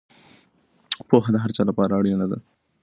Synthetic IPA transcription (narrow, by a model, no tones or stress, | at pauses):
poɦad̪əɦaɾt͡ʃɑlapɑɾaaɽjanad̪a̰